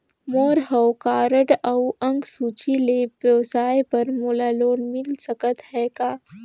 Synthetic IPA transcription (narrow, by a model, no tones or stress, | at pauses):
moːɾɦəwkaːɾəʈəwə̃ŋɡsuːt͡ʃilebjəʋsaːjpəɾmulaːloːnmɪlsəkət̪ɦɛːkaː